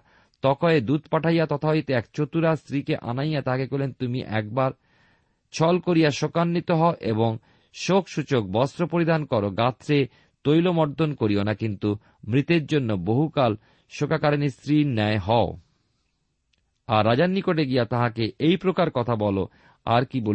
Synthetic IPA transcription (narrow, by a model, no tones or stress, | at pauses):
t̪ɔkoed̪ut̪̚paʈʰajat̪ɔt̪ʰaojt̪eɛkt͡ɕot̪uɾast̪ɾikeʔa̰najat̪aɦakekolent̪umḭʔɛ̰k̚baɾ | t͡ɕʰɔlkoɾijaʃokanːit̪oɦɔoʔeboŋ | ʃokʃut͡ɕok̚bɔst̪ɾopoɾid̪ankɔɾoɡat̪ːɾe | t̪ojlomɔɾd̪ʱonkoɾionakint̪u | mɾit̪eɾd͡ʑonːoboɦukal | ʃokakaɾenist̪ɾinɛeɦɔo | aɾːad͡ʑanːikoʈeɡijat̪aɦakeʔejpɾokaɾkɔt̪ʰabɔlo̰ | a̰ɾkibo